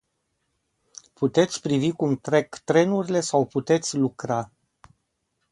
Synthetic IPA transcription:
put̪e̞t̪sʲpɾivikumt̪ɾe̞kt̪ɾe̞nuɾile̞sawput̪e̞t̪sʲlukɾa

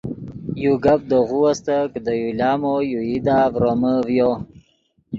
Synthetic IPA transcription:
juɡab̚d̪oɣuwast̪əkəd̪əjulɑːmojuid̪aːvɾoməvjo

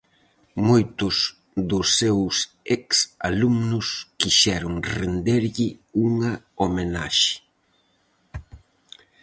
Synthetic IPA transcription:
mojt̪ʊs | ðʊsːews | ɛksa̰lumnʊskiʃɛɾʊŋrend̪eɾʎɪuŋɐ | omena̰ʃɪ̥

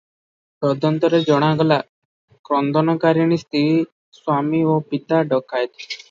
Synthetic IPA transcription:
bɔd̪ʱənt̪ɔɾed͡ʒɔɽ̃ãɡla | kɾɔnd̪ʱɔnɔkaɾjañist̪ʰii | swamiʋɔpit̪aɖəkajt̪

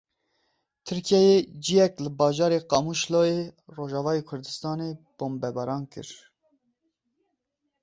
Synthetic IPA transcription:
t̪ʰɨɾkʰijɛjed͡ʒijɛklɨbɑːʒɑːɾeqɑmuʃloːeroːʒɑːvɑːjeːkʰʊɾd̪ɨst̪ɑːneb̥oːmbɛbɑɾɑːnkɨ̰ɾ

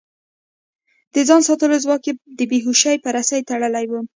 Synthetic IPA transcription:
d̪̥əzɑnsɑt̪əlozwɑked̪əbeɦuʃajpəɾasajt̪aɽəlajwu

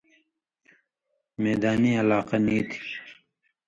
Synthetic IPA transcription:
meːd̪aːniɐlaːqɑniːt̪ʰi̥

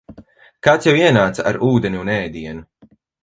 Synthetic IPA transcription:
kaːt̪sjawiɛnaːt̪saa̰ɾuːd̪ɛnʲiunɛːd̪iɛnu

